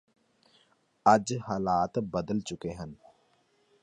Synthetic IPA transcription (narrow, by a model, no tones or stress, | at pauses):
ɐd͡ʒɦaːlaːt̪bəd̪əlt͡ʃʊkeɦə̃n